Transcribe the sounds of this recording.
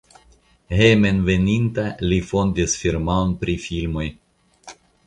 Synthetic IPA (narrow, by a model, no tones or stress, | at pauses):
hemenve̞nint̪alifo̞nd̪isfiɾmaonpɾifilmo̞j